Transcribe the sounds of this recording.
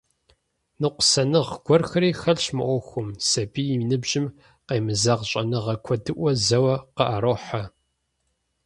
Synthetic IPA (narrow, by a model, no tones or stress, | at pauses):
nɨqʷʊ̥sɐnɨʁɡ̥ʷɔrxɐɾiːxɐɮɕmɨ̰ʔʷɔxʷʊmsɐbiːjiminɨbʒɪm | qejmɨzaʁɕʼɐnɨʁɐkʷʰɔdɨʔʷɔzɐwɐqəʔɐɾoːħa